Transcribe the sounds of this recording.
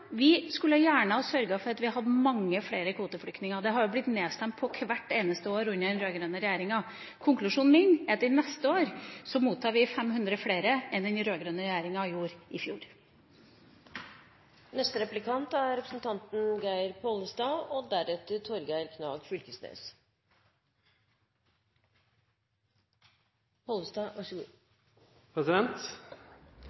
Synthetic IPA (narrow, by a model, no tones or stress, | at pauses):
ʋɪskʉləɑjæːɳəɔsœɾɡəfɔɾɑt̪ʋɪhɑɦɑd̪ːəmɑŋːəfleːɾəkʰʋuːt̪əflʏkt̪nɪŋəd̪ɛɦɑɾjʊblɪt̪neːst̪ɛmt̪̚pʰɔkʰʋæʈːeːnəst̪əoːɾʉnːəɛnɾøːɡɾøːnəɾɛjæːɾɪŋɑ | kʰʊŋklʉʂuːnmɪnɛt̪ɪnɛst̪əoːɾsɔmuːt̪ʰːɑːɾʋɪfɛmɦʉnd̪ɾəfleːɾəɛnd̪ɛnɾøːɡɾøːnəɾɛjæːɾɪŋɑɪjuːɾʔɪfjuːɾ | nɛst̪əɾɛplɪkʰɑnt̪æɾɾɛpɾə̥sn̩t̪ʰɑnt̪n̩ɡæɪɾpʰoləsd̪ɑːɔd̪æɾɛt̪ət̪ʰɔɾɡæɪɾkʰnɑ̰ːɡfʏlkəsnḛːs | pʰoːlsd̪ɑʋɑʂ | pʰɾɛsɪd̪ɛnt̪